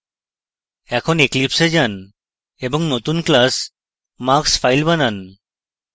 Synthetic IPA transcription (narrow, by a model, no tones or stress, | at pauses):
ɛkʰɔneklipsed͡ʑan | ebɔŋnot̪unklas | makspʰajlbanan